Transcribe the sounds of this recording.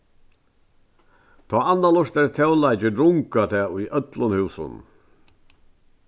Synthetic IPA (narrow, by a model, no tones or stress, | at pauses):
t̪ʰɔaːanːalɔʂt̪ɛɾt̪ʰɛwlajt͡ʃɪɾʊŋkat̪ʰɛːʊjʔœt̪lʊnhʉːsʊ̰n